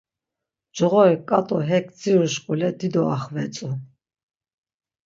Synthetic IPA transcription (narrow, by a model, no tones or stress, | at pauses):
d͡ʒɔʁɔɛkʼat̪ʼɔɦɛkʰʼd͡ziɾuʃkʼulɛd̪id̪ɔaχvɛt͡sʼu